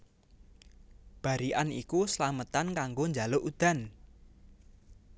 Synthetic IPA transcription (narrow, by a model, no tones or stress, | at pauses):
b̥a̤ɾiʔanikusəlamət̪ankaŋɡoɲd͡ʒa̤loʔud̪̥a̤n